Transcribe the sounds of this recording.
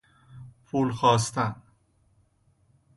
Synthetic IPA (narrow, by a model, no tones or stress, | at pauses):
pʰuːlxɒːst̪ʰæn